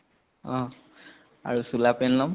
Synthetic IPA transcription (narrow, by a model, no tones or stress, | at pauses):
ɔ̃ | a̰ɹusulapɛnlɔm